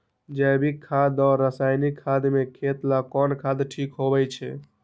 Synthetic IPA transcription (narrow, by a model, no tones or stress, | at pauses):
d͡ʒɛbʱikʰːad̪ɔːɾːəsajnikʰːad̪mekʰet̪lakɔnkʰad̪ʈʰikɦobɛt͡ʃʰɛ